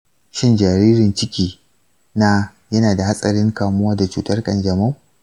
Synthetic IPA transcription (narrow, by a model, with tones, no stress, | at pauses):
ʃɪ˦nd͡ʒa˨ɾiː˦ɾɪ˨nt͡ʃɪ˦kʲiː˨ | na˦ | jɐ˦naː˨da˨ha˦sʼɐ˨ɾɪ˦ŋkaː˨mʊ˦wa˦da˨t͡ʃuː˨tɐ˦rkʼɐ̰˨nd͡ʒɐ˨ma˦˨